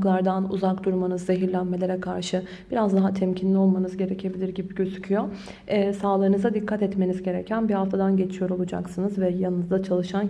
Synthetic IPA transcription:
klˠaɾd̪anuzakd̪uɾmanɯzːe̞ɦiɾlʲænme̞lʲe̞ɾɛkʰaɾʃɯ | b̥iɾazd̪aɦat̪ʰɛmcʰinlʲio̞lˠmanɯzɟe̞ɾecʰe̞bilʲiɾɟibiɟøzycʰyjo | ɛsaːlˠɯɯnɯzad̪ikʰːat̪ɛt̪me̞nizɟe̞ɾɛcʰænbihaft̪ʰad̪anɟe̞t͡ʃʰijo̞ɾo̞lˠud͡ʒa̰ksɯnɯzvɛjanɯnɯzd̪at͡ʃʰalˠɯʃan

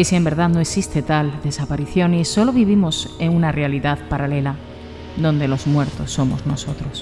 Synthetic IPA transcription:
isie̞mbe̞ɾðaðno̞eksist̪e̞t̪ald̪e̞sapaɾiθjo̞niso̞lo̞β̞iβ̞imo̞seŋunare̞aliðaðpaɾale̞la | ðo̞nd̪e̞lo̞zmwe̞ɾt̪o̞sːo̞mo̞̰zno̞so̞t̪ɾo̞s

